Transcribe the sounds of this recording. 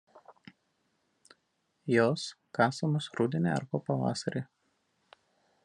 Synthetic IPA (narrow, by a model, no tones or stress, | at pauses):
joːskɑːsɐmoːsɾuːd̪ʲɪnʲḛɐ̰ɾboːpɐʋɑ̰ːsɐɾʲeː